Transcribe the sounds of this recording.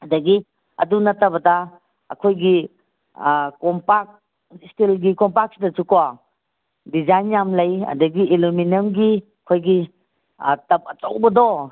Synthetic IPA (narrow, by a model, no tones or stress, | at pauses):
ɐdɐɡi | ɐ̰dunɐtɐbɐda | ɐ̰kʰojɡi | kɔmpak̚ | stilɡikɔmpak̚sidɐt͡ʃukwa | dizajnjamlɐjɐ̰dɐɡiiluminɐmɡiɐkʰojɡi | tɐp̚ɐt͡ʃawbɐdɔ